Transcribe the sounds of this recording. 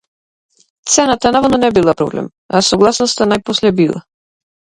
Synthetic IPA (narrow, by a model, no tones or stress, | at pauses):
t̪sɛnat̪anavɔd̪nɔnɛbilˠapɾɔ̰blɛ̰m | asɔɡlˠasnɔst̪anajpɔslɛbilˠa̰